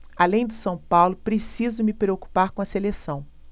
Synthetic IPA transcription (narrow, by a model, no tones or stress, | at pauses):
alẽj̃d̪ʊsɐ̃w̃pawlʊpɾesizʊmɪpɾeoku̥paɾkõɐselesɐ̃w̃